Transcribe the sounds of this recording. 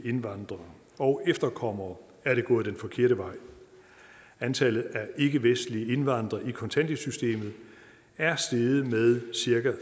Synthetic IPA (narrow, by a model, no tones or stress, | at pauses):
e̝nʋɑ̈nd̥ʁɐ | ɒ̽ʊʔefd̥ɐkʰɒ̽m̰ɐː | æɐɾ̥e̝ɡ̥ɔ̰̽ːð̞̩ˠd̥enfɒ̽kʰe̝ɐ̰ɾəʋɑ̈ɪ̰ | ænt͡sʰælð̩ˠæɐe̝ɡ̥əʋesd̥liəe̝nʋɑ̈n̰d̥ʁɐʔikʰɒ̽nt͡sʰæn̰d̥esysd̥e̝̰ːmð̞̩ˠ | æɐsd̥e̝ð̩ˠmeðˠsiɐɡæ